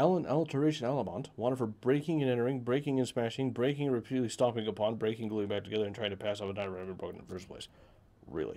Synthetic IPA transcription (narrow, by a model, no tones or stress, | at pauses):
ɛlˠə̃nʔɛlˠtʰə˞ɪʃɨ̃nælˠəmɑ̰̃ntwɑ̃ɾ̃ɨd̥fə˞bɹeɪkɪ̃ŋɨ̃nɛ̃ɾ̃ə˞ɪ̃ŋbɹeɪkɪ̃ŋɨ̃nspæʃɪ̃ŋbɹeɪkɪ̃ŋɨɹɨpʰiɾɨdˡlistɑpɪ̃ŋɨpʰɑ̃nbɹeɪkɪ̃ŋɡluɪ̃bæk̚tʰɨɡɛðə˞ɨ̃ntɹ̥aɪɪ̃ŋtʰɨpʰæsɔfətʰãɪnɹɛ̃nʌvɨ̃nbɹʌkn̰fɜ˞spʰl̥eɪs | ɹɪ̰lˠḭ